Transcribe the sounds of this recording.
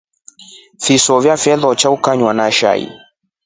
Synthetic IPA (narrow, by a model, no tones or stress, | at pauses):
fisɔvjafɛðɔt͡ʃaukaɲwanaʃa̰ḭ